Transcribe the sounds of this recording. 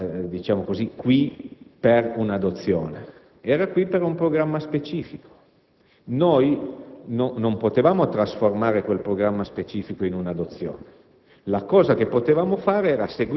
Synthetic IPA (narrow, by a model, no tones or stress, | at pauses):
d̪it͡ʃaːmokozikwiperunad̪ot̪sːjoːne | ɛːɾakwipːeɾumpɾoɡɾamːaspet͡ʃiːfiko̥ | nojnonompot̪evaːmot̪ɾasformaːɾekwelpɾoɡɾamːaspet͡ʃiːfikoinunad̪ot̪sːjo̰ːne | lakɔːzakepːot̪evaːmofaːɾeɛːɾaseɡ